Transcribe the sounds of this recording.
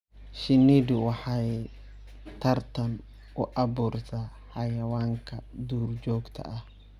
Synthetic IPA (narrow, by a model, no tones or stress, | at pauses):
ʃɪnid̪ɪwɑħɑɛ | t̪ʰɐrt̪ʰɐn | ʊʔɐbuːrt̪ʰaː | ħɑjɐwaːŋkʰɐd̪uːrd͡ʒɔːɡt̪ʰɐ̰ʔɐh